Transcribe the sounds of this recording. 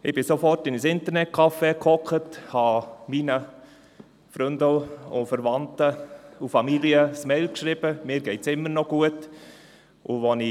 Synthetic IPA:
ɪb̥ɪsofɔrtɪnəsɪntərnɛt̚kʰɑfekʰɔkəthɑminə | fɾʏndəʊfəɾvɑntəufɑmiliəsmeɪlkʃɾiːb̥əmɪːɾɡɛɪtsɪmːənɔɡ̥uət | ʔṵvoni

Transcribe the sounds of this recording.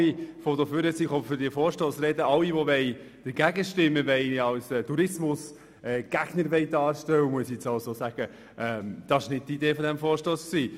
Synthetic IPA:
ifodoføːɾəsiχɔfʏɾdifɔːɾʃtoːsɾɛdəɑliʋoʋɛɪ | d̥əɾɡæɡəʃtɪmːəʋɛɪɑwsɛːtuɾɪsmʊs | ɛːɡ̥æɡ̥nəɾʋɛjdɑːɾʃtɛwəmuəsiɛt͡sɑʊsoːsæɡ̥ə | ʔɛmd̥ɑsɪ̥ʃnɪd̥̚tideːfɔdæmfɔːɾʃtoːsksiː

